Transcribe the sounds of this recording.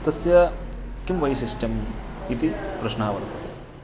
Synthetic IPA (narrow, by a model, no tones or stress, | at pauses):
t̪ɐsjɐkimʋɐjsisʈɐmit̪ipɾɐʃnaːʋɐɾt̪ʰɐ